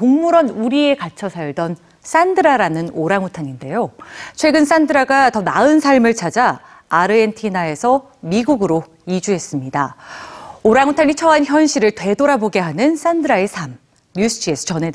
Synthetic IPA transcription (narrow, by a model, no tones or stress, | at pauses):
oŋmuɾʌnuɾie̞kat͡ɕʰʌsʰaɭdʌn | s͈andɯɾaɾanɯnoɾaŋutʰaɲinde̞jot͡ɕʰwe̞ɡɯns͈andɯɾaɡatʌnaɯnsʰaɭmɯɭt͡ɕʰad͡ʑaː | ɾɯe̞ntʰinae̞sʰʌ | miɡuɡɯɾo | id͡ʑuɦe̞s͈ɯmɲida̰ | oɾaŋutʰaɲit͡ɕʰʌançjʌnɕʰiɾɯɭtwe̞doɾaboɡe̞ɦanɯns͈andɯɾae̞sʰamː | us͈ʰɯd͡ʑiesʰɯ̥t͡ɕʌne̞